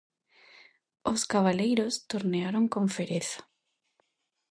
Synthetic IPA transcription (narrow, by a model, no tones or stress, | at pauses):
oskaβalejɾost̪oɾneaɾoŋkoɱfeɾeθḁ